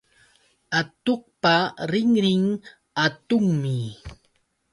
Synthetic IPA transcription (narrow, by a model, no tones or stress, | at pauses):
at̪oq̚paɾɪŋɾɪŋ | at̪ʊŋmɪ